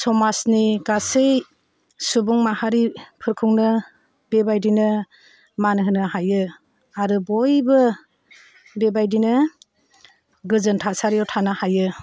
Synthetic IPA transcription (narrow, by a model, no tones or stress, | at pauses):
sɔmasniɡasej | subuŋmahaɾipʰɯɾkʰuŋnɯ | bebajdinɯ | manɦɯnɯɦajɯ | aɾɯbɔjbɯ | bebajdinɯ | ɡɯzɯntʰasaɾijɔwtʰanɯhajɯ